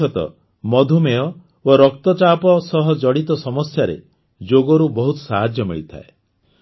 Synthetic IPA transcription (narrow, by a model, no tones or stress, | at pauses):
ɔt̪ɔ̰ | mɔd̪ʱumejɔ | oɾɔkt̪ɔt͡ʃapɔsɔɦɔd͡ʒɔɽit̪ɔsɔmɔsjaɾḛ | d͡ʒoɡɔɾubɔɦut̪ɔ̥saɦad͡ʒjɔmiɭit̪ʰa̰e